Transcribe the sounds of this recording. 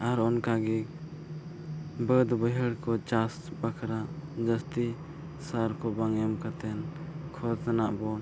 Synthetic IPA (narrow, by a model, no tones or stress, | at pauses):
aɾɔnkaɡiɡ | bəd̪bəɦɛɽkɔt͡ʃas | bakʰɾaʔd͡ʒəst̪i | saɾkɔbaŋɛmkat̪ɛnkʰɔt̪anaʔbɔn